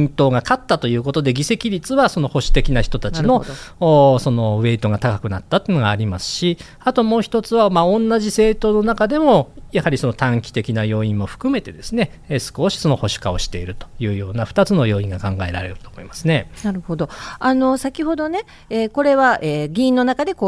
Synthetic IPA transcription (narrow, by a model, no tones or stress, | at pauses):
ĩnt̪o̞ːɡakat̪ːat̪o̞jɯ̟ːko̞t̪o̞d̪e̞ɡʲise̞kʲiɾʲit͡sɨβaso̞no̞ho̞ɕi̥t̪e̞kʲinaçi̥t̪o̞t̪ant͡ɕino̞ː | so̞no̞βe̞it̪o̞ɡat̪akakɯ̟nat̪ːat̪ːoeiɯ̟noɡaːɾʲimasɨ̥ɕi | at̪o̞mo̞ːçi̥t̪o̞t͡sɨβamaõ̞nːaʑise̞ːt̪o̞ːno̞nakad̪e̞mo̞jahaɾʲisono̞t̪ãŋkʲi̥t̪e̞kʲinajo̞ːĩmmo̞ɸɯ̟̥kɯ̟me̞t̪e̞d̪e̞sɨne̞ | sɨ̥ko̞ɕi̥so̞no̞ho̞ɕi̥kao̞ɕi̥t̪e̞iɾɯ̟t̪ojɯ̟ːjo̞ːnaɸɯ̟̥t̪at͡sɨno̞jo̞ːĩŋɡakãŋɡae̞ɾa̰ɾe̞̰ɾɯ̟t̪o̞ːmo̞̰imasɨne̞naɾɯ̟ho̞d̪o̞ano̞sakʲiho̞d̪o̞ne̞ | eko̞ɾe̞βaʔeɡʲĩːnːo̞nakad̪e̞ko